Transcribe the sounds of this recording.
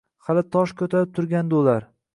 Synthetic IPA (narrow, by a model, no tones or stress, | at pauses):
halɪt̪ʰɒʃkʲʰɵt̪ʰaɾɪp̚t̪ʰʊɾɡʲand̪aʊlaɾ